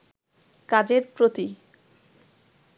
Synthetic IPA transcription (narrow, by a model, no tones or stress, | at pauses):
kad͡ʑeɾpɾot̪i